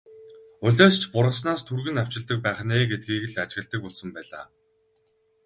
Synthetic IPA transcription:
ʊɮʲeːst͡ɕʰpʊɾʁə̆s̬naːst̪ʰurɣɘ̆naw̥t͡ɕɪ̆ɮt̪ə̆k̚pæːχneːɡet̪̚ɡiːɣɘ̆ɮat͡ɕɣə̆ɮt̪ə̆kʊɮsə̆mpæːɮa̰ː

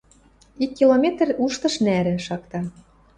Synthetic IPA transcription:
ikːilomʲet̪ruʃt̪ɤ̆ʃnæɾɘ̆ʃɑkt̪ɑ

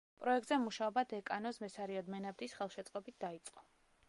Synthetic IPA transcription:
pʼɾɔɛk̚t̪zɛmuʃaɔbad̪ɛkʼanɔsmɛsaɾiɔd̪mɛnabd̪isχɛlˠʃɛt̪sʼqʼɔbit̪̚ʰd̪ait̪sʼqʼɔ

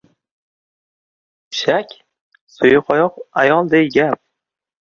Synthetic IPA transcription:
ʃakʲ | sʊjʊqɒjɒqajɒlˠd̪ejɡʲap̚

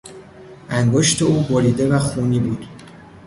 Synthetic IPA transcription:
ʔæŋɡoʃt̪ʰe̞uːbɔɾiːd̪e̞væxuːniːbuːd̪̥

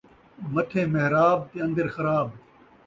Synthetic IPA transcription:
mɐʈʰẽːmeɦɾaːb̚t̪eɐ̃nd̪ɐɾxɐɾaːb̚

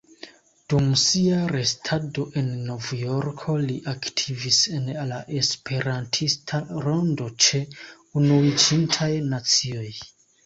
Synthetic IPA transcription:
d̥umsiaɾe̞stʰado̞ʔe̞nːo̞vjo̞ɾkʰo̞liʔaktʰivise̞nlaʔe̞spʰe̞ɾantʰistʰaɾo̞ndo̞t͡ʃe̞ | unuit͡ʃintʰajnat͡sio̞j

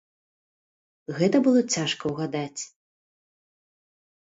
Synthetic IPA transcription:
ɣɛt̪ɐbɨlˠɔt͡sʲaʂkɐwɣad̪at͡sʲ

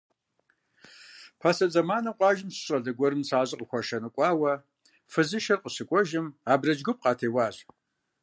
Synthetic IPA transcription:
pʰasɐd͡zɐmaːnɐqʷʼɑːʒɪmsɕʼɐɮɐɡʷɔɾɨmsaːʑʼɨqʼəxʷɔʃɐnɨkʷʼɑːwɐ | fɨzɨʃɐrqəɕɨkʷʼɔʒɪmaːbrɐd͡ʒɡʷʊp̚qɑːtʰeːwɑːɕ

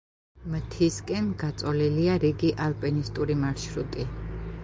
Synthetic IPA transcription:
mt̪ʰiskʼɛnɡat̪sʼɔliliaɾiɡiʔalˠpʼɛnist̪ʼuɾimaɾʃɾut̪ʼi

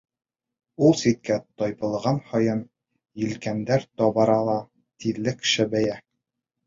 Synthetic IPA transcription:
ulˠsit̪̚kæt̪ɒjbɤ̆lˠʁɑnhɒjɤn | jɘ̆lkænd̪æɾt̪ɒbɑɾɑlˠɑ | t̪iɾlːɘkʃɘbæjæ

